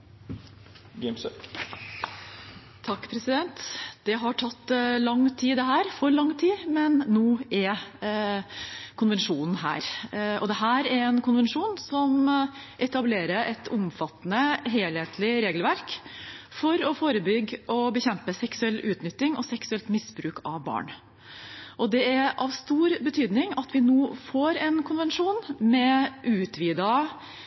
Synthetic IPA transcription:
ɡɛms | t̪ʰɑkːpʰɾɛsɪd̪ɛnt̪d̪̥ɛɦɑʈʰɑt̪ːlɑŋːt̪ʰiːd̪ɛɦæːɾfɔɾɭɑŋːt̪ʰiːmɛnːuːɛɾ | kʰʊnʋɛnʂuːnn̩ɦæ̰ːɾʔɔd̪ɛɦæːɾæɾɛnkʰʊnʋɛnʂuːnsɔmʔɛt̪ɑbleːɾəɾʔɛt̪ʰʊmfɑt̪ːnəɦeːlheːt̪ʰlɪɾeːɡəlʋæɾkfɔɾɔfoːɾəbʏɡːʔɔbəçɛmpəsɛksʉɛlːʉːt̪nʏt̪ːɪŋɔsɛksʉɛlt̪mɪsbɾʉːkʰɑʋbɑ̰ːɳ | ʔɔd̪ɛæɾʔɑʋst̪uːɾbət̪ʰyːd̪nɪŋɑt̪ʋɪnoːfoːɾɛnkʰʊnʋɛnʂuːnmɛʔʉːt̪ʰʋiːd̪ɑ

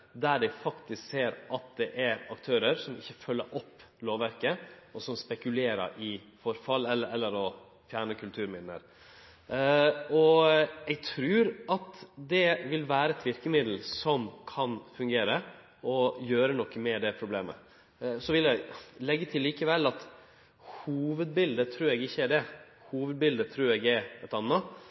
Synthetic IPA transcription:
d̪æɖɛɪfɑkt̪ɪskseːɾʔɑt̪̚d̪ɛʔæɾɑkt̪ʰøːɾəɾsɔmɪçːəfœlːəɾʔɔpː | loːʋʋæɾkəɔsɔmspɛkʉleːɾə̰ɾʔɪ | fɔɾfɑlɛlːəɛlːəɾɔ | fjæːɳəkʰʉlt̪ʰʉːɾmɪd̪lə̰ɾ | ɔɛɡt̪ʰɾʉːɾɑt̪d̪ɛʋɪlʋæːɾəɛt̪ʋɪɾkəmɪd̪l̩sɔmkʰɑnfʉŋɡeːɾə | ʔɔjøːɾənɔkːəmɛd̪ɛpʰɾʊbleːmə̰ | sɔʋɪljæɪlɛɡːət̪ʰɪlːiːkəʋɛlːɑt̪ | huːʋəd̪̚bɪld̪ət̪ʰɾʉːɾɛɡɪçːəæɖɛ | huːʋəd̪̚bɪld̪ət̪ʰɾʉːɾɛɡɛɾɛt̪ɑnːə

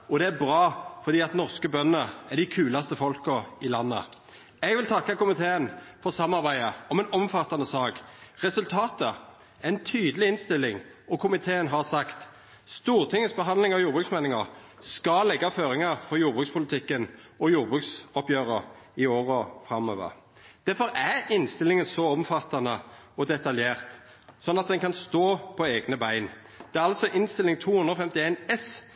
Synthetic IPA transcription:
ɔd̪ɛæbʁɑːfɔʁd̪iːɑt̪nɔʁskəbœnːəæɖ̪ɪkʰʉːlɑst̪əfɔlkəɪlɑnːə̰ | ɛɡʋɪlt̪ʰɑkːɑkʊmɪt̪ʰeːənfɔʁsɑmːɑʁbæɪəɔmɛnɔmfɑt̪ːɑnəsɑːkʁɛsʉlt̪ʰɑːt̪ə | æɛnt̪ʰyːd̪əlɪɪnst̪ɪlːɪŋɔkʰʊmɪt̪ʰeːənɦɑʁsɑkt̪ | st̪uːʁt̪ʰɪŋːəsbəɦɑnd̪lɪŋɑʋjuːʁbʁʉksmɛːnɪŋɑʁ | skɑlɛɡːɑføːɾɪŋɑɾfɔʁjuːɾbʁʉkspʰʊlɪt̪ʰɪkːənɔjuːʁbʁʉksɔpjøːʁəɾɪoːʁɔfʁɑmø̰ːʋə̰ʁ | d̪̥æɾfɔɾæɪnst̪ɪlɪŋənsɔɔmfɑt̪ːɑnəɔd̪ɛt̪ɑljeːʁt̪ | sɔnːɑt̪̚d̪ɛnkɑnst̪oːpʰɔeːɡnəbæɪn | d̪̥ɛːæʁɑlsɔʔɪnst̪ɪlɪŋt̪ʰuːhʉnd̪ʁɔfɛmt̪ɪeɪnɛs

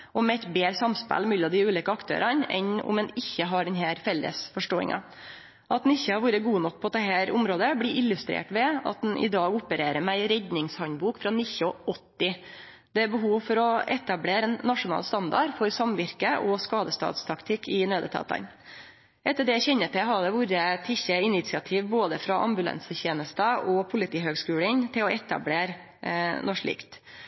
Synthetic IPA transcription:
ɔmɛɛt̪beːɾsɑmspæ̰lmɛlːɔmd̪ɪʉːliːkəɑkt̪ʰø̰ːɾɑnɛ̰nʊ̰mɛnɪçːəɦɑɖɛnɦæːɾfɛlːə̰sfɔʂʈoːɪ̰ŋʔɑ̰ | ʔɑt̪nɪçːəhɑɾʋuːɾəɡuːənɔk̚ːpʰɔd̪ɛɦæːɾʊmɾoːd̪əbliʔɪlːʉst̪ɾḛːʈʋɛɑ̰t̪̚d̪ɛnʔɪ̰d̪ɑːɡʊpəɾeːɾəmɛæɪɾɛd̪nɪŋshɑnbuːkfɾɑnɪçɔɔt̪ːɪ | d̪̥ɛæɾbəɦuːʋfɔɾɔɛt̪ɑbleːɾɛnːɑʂʊnɑ̰ːlst̪ɑnd̪ɑ̰ɾfɔɾsɑmʋɪɾkəʔɔskɑːd̪əst̪ɑ̰ːt̪st̪ʰɑkt̪ʰɪkʰːɪnøːd̪ət̪ʰɑ̰ːt̪ɑ̰n | ʔɛt̪ːəɖɛæçɛɲːət̪ɪɦɑɖ̪ɛʋuɾət̪ʰɪçəɪnɪt̪sɪɑt̪ʰiːʋboːd̪əfɾɑʔɑ̰mbʉlɛ̰nsəçeːnəst̪əʔɔpʰʊlɪt̪ʰiːɦøːɡskʉːlənt̪ʰɪlɔʔɛt̪ɑ̰bleːɾ | nʔɔʂɭḭːkt̪

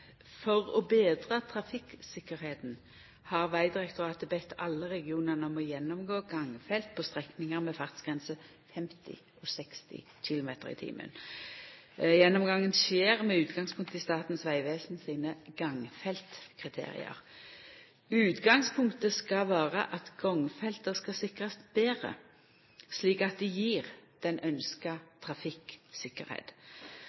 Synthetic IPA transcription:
fɔʁɔbeːd̪ʁɑt̪ʰɾɑfɪksɪkːəɾheːt̪n̩ | hɑʁʋæɪd̪ɪʁɛkt̪ʊʁɑːt̪əbɛt̪ʰːɑlːəʁɛɡɪuːnəʁnəɔmɔjɛnːɔmɡoːɡɑŋfɛlt̪̚pʰɔst̪ʁɛknɪŋəɾmɛfɑʁt̪sɡ̥ʁɛnsə | fɛmt̪ʰɪ̰ | ɔsɛkst̪ɪ̰ | çɪlʊmeːt̪əʁɪ̰t̪ʰḭːmʔə̰n | jɛnːɔmɡɑŋːənseːʁmɛʉːt̪ɡɑŋspʰʊŋk̚t̪əɪst̪ɑːt̪n̩sʋæɪʋeːsnsiːnəɡɑŋfɛlt̪kʰʁɪt̪ʰḛːʁɪ̰ə̰ʁ | ʉːt̪ɡɑŋspʰʊŋkt̪əskɑʋæːʁəʔɑt̪ɡ̥ɔŋfɛlt̪əskɑsɪkʁɑst̪beːʁə̰ | sliːkɑt̪̚d̪ɪjiːʁd̪̥ɛnʔœnskɑt̪ʰʁɑfɪksɪkːəɾhḛːt̪

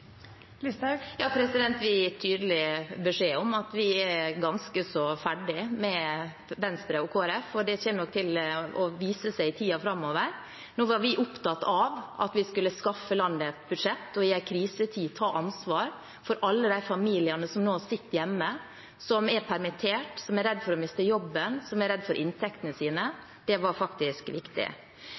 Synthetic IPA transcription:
jɑːpʰɾɛsɪd̪ɛnt̪ʋɪt̪ʰyːd̪əlɪbɛʂeːɔmɑt̪ʋɪɛɾɡɑnskəsɔfæɖɪmɛ | ʋɛnst̪ɾəɔkʰoːæɾɛfɔɖɛçɛnnɔk̚t̪ʰɪlɔʋiːsəsæɪɪt̪ʰiːɑfɾɑmːoːʋəɾ | noːʋɑɾʋɪʔʊpt̪ɑt̪ɑʋʔɑ̰t̪ʋɪskʉlːəskɑfːəlɑnd̪ət̪bʉd̪ʂɛt̪ːɔɪæɪkʰɾiːsət̪ʰiːt̪ʰɑːʔɑnsʋɑːɾ | fɔɾʔɑlːəd̪æɪfɑmiːlɪɑnəsɔmnoːɑsɪt̪ːjɛmːə | sɔmɛɾpʰæɾmɪt̪ʰeːʈsɔmæɾɛd̪ːfɔɾɔmɪst̪əjɔbːənsɔmæɾɛd̪fɔɾʔɪnt̪ʰɛkt̪ənəsiːnə | d̪̥ɛʋɑɾfɑkt̪ɪskʋɪkt̪ɪ̰

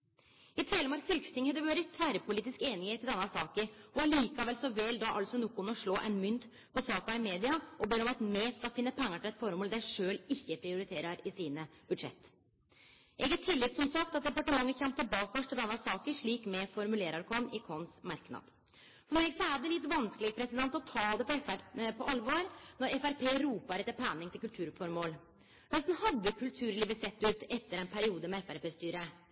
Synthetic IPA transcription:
ɪt̪ʰɾeːləmɑɾksfɪlkst̪ɪŋhɛd̪ɛʋøːɾɪt̪ʰʋæːɾəpʊliːt̪ɪskeːnɪheːt̪ʰːɪld̪ɛnːɑsɑːkəɾɔɑɭiːkɑʋɛlsɔʋɛːld̪ɑʔɑ̰lsɔnuːkʊnɔʂɭoːʔɛnmʏnt̪ | pʰɔsɑːkɑɪmeːd̪ɪɑʔɔbeːɾɔmɑt̪mɛskɑfɪnːəpʰɛŋːɑʈʰɪlɛt̪fɔɾmoːld̪æɪʂøːlɪçːəpʰɾɪʊɾɪt̪ʰeːɾɑɾɪsiːnəb̥ʉd̪ʂɛ̰t̪ː | ʔɛɡɑt̪ʰːɪlːɪt̪sɔmsɑk̚t̪ɑt̪̚d̪ɛpɑʈəmɑŋːəçɛmpəbɑːkʋɔʂʈ̪ʰɛld̪ɛnːɑsɑːkəʂɭiːkmɛfɔɾmʉleːɾɑɾkʰɔnʔɪkʰɔnsmɑɾknɑ̰ːd̪̥ | fɔɾmeːɡsɔæd̪ɛlɪt̪ːʋɑnskəlɪɡəpʰɾɛsɪd̪ɛnt̪ɔt̪ʰɑːd̪ɛpɔɛpʰɔʔɑlʋɔːɾnɔɾɛfæɾpʰeːɾuːpɑɾɛt̪ːəpʰæːnɪŋt̪ʰɪlkʉlt̪ʰʉːɾfɔɾmoːl | hœst̪n̩hɑd̪ːəkʰʉlt̪ʰʉːɾliːʋəsɛt̪ːʉːt̪ɛt̪ːəɾɛnpʰæɾɪuːd̪əmɛɛfæɾpeːst̪yːɾə

